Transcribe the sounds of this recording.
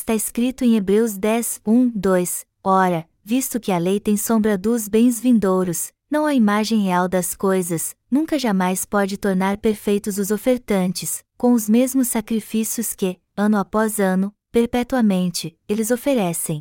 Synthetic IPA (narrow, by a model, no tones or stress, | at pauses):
ɪst̪aɪskɾit̪ʊẽj̃ebɾewzd̪ɛzũd̪ojs | ɔɾɐ | vist̪ʊkɪɐlejt̪ẽj̃sõbɾɐd̪ʊzbẽj̃zvĩnd̪owɾʊs | nɐ̃w̃ɐimaʒẽj̃heawd̪ɐskojzɐsnũkɐʒamajspɔd͡ʒɪt̪oɾnaɾpeɾfejt̪ʊzʊzofeɾt̪ɐ̃nt͡ʃɪs | kõw̃ʊzmezmʊsːakɾifisiʊskɪ | ɐ̃nʊapɔzɐ̃nʊ | peɾpɛt̪uɐmẽnt͡ʃɪelɪzofeɾɛsẽj̃